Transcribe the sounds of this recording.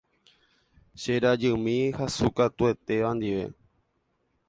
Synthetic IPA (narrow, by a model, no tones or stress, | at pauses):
ʃeɾad͡ʒɨmĩhasukat̪ue̞t̪e̞ʋãnd̪iʋe̞̰